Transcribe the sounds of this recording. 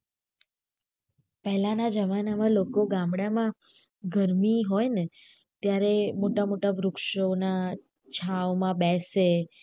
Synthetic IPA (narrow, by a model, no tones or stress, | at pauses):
pɛɦlãnad͡ʒəmanamãlokoɡãmbɽamã | ɡəɾmiɦojne | t̪jaɾemoʈamoʈabʱɾʊkʃona | t͡ʃʰawmãbɛse